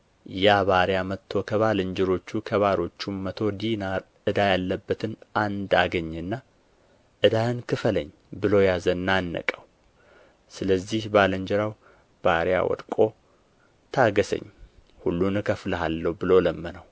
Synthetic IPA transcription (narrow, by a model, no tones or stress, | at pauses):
jaβaɾjamət̪ʰːo̞kʰəβaləɲd͡ʒɪɾo̞t͡ʃːukʰəβaɾo̞t͡ʃːumːət̪ʰo̞d̪inaɾ | ɨd̪ajalːəbːət̪ʰɨnand̪aɡəɲːɨnːa | ʔɨd̪ajɨnkʰɨfələ̰ɲː | bɨlo̞jazənːanːə̰kʼəw | sɨləzːihbaləɲd͡ʒɨɾaw | b̥aɾja̰wɔ̰d̪kʼo̞ | t̪ʰaɡəsə̰ɲː | hulːunɨkʰəfləɦalːəwbɨlo̞ləmːənəw